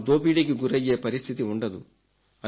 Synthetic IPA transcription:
d̪oːpiɽikiɡuɾɐjeːpɐɾist̪ʰit̪iuɳɖɐd̪u | ɐ

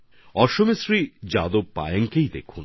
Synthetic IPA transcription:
ɔʃomesɾid͡ʑad̪ob̚pːa̰jeŋkejd̪ḛkʰun

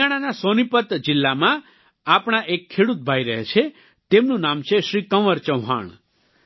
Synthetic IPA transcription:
aɽ̃anasonipət̪d͡ʒɪlːamã | apɽ̃aʔekʰːeɽut̪̚bʱajɾəɦet͡ʃʰe | t̪emnũnamt͡ʃʰeʃɾikəʋəɾt͡ʃəwɦa̰ɳ

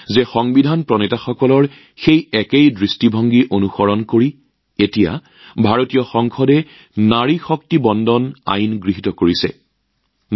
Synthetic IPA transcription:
zɛxɔŋbidʱanpɹɔnitaxɔkɔlɔɹ | xejɛkejdɹistibʱɔŋɡiʔonuxɔɹɔnkoɹi | etija̰ | bʱaɹotijɔxɔŋxɔdɛ | naɹixɔk̚tibɔndɔna̰jnɡɹiɦitɔkoɹisɛ̰ | n

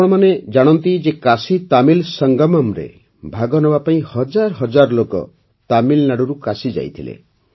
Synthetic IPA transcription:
ɽ̃ɔmaned͡ʒaɽ̃ɔnt̪id͡ʒekasit̪amilsɔŋɡɔmamɾḛ | bʱaɡɔnɔbapaĩhɔd͡ʒaɾɔɦɔd͡ʒaɾlokɔ̰ | t̪amilnaɽɔɾukasid͡ʒa̰jt̪ʰilḛ

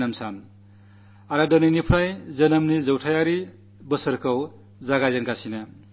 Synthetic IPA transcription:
nʌmsʰan | aɾadʌninipʰɾajd͡zʌnʌmnid͡zʌwʈʰajaɾi | bʌsʌɾkʌw | d͡zaɡazenkasʰina

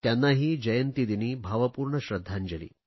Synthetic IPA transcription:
t̪janːaɦiːd͡ʑɐjənt̪id̪iniːbʱaʋəpuːɾɳəɕɾəd̪ʱːaɲd͡ʒəlḭː

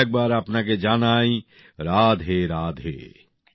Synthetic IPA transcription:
k̚baːɾɐpnak̬ed͡ʒaːnaːĩ | ɾaːd̪ʱɦeːɾaːd̪ɦḛː

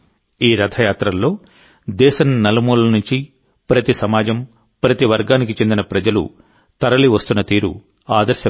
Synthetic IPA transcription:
iːɾɐd̪ʰɐjaːt̪ɾɐlːo̞ː | d̪ɛːʃɐnnːɐlɐmuːlɐnuɲt͡ʃi | pɾɐt̪isɐmaːd͡ʒɐm | pɾɐt̪iʋɐɾɡaːnik̬it͡ʃe̞nd̪inɐpɾɐd͡ʒɐlṵ | t̪ɐɾɐliʋɐst̪unːɐt̪iːɾṵ | aːd̪ɐɾʃjɐ

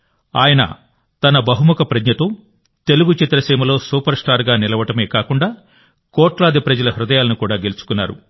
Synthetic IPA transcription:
a̰ːjɐnɐ̰ | t̪ɐnɐbɐɦumukɐpɾɐdɲɐt̪oː | t̪e̞luɡut͡ʃit̪ɾɐsiːmɐlo̞ːsuːpɐɾsʈaːɾɡaːnilɐʋɐʈɐme̞ːkaːkuɳɖaː | kɔːʈlaːd̪ipɾɐd͡ʒɐlɐɦɾud̪ɐjaːlɐnukuːɽaːɡe̞lut͡ʃu̥kunːaːɾṵ

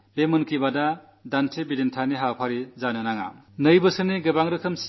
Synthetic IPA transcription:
bemɯnkibada | dantʰebidentʰaniɦawpʰaɾizanɯnaŋa̰ | nɯjbɯsɯniɡɯbaŋɾɯkʰɯms

